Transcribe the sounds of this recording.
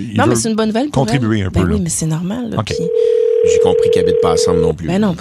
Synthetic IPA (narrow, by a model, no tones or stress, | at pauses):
inɔ̃mɛssɛt̪ynbɔnːuvɛlkɔ̃t̪ʁibyeɛ̃bøwimɛsɛnɔʁmal̰ːokʲeiʒekɔ̃pχikʲabit̪̚paːsɑ̃blnɔ̰̃plybɛnɔ̃